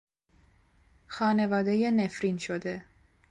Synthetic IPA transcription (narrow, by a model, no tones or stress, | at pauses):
xɒːne̞vɒːd̪eje̞nefɾinʃod̪e̞